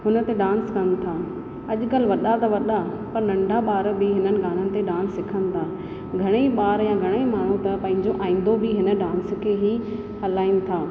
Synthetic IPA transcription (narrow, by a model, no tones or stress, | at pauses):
ɦʊnə̆t̪eɗãːnskɐnt̪ʰaː | ɐʄʊkɐlʋɐɗat̪ɐʋɐɗa | pɐɾnɐ̃ɳɖʱaɓaːɾbɪɦɪnənɪ̆ɡaːn̤ənɪ̆t̪eɗãːnsːɪkʰənɪ̆t̪ʰaː | ɡʱɐɽ̃eiɓaːɾjãːɡʱɐɽ̃eimaːɽ̤ũt̪ɐpɐ̃ɦɪ̃ɲd͡ʑoʔaːĩːn̆d̪obɪɦɪnə̆ɖãːns̆kʰeːɦi | hɐlaːɪnɪ̆t̪ʰaː